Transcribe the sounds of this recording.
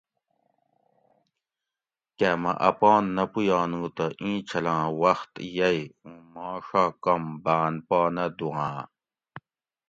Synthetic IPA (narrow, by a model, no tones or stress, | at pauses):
kemɐ̰̃ʔɐpɔːnːɐpujaːnũːt̪ɐʔĩːt͡ɕʰɐlãːwɐxt̪jɐjũmaːʂaːkɐmbaːnpaːnɐd̪uãː